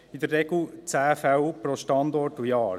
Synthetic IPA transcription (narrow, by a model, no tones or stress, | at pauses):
id̪ərːɛɡlut͡sæːfæwpɾɔʃtɑnd̪ɔɾtujɑːɾ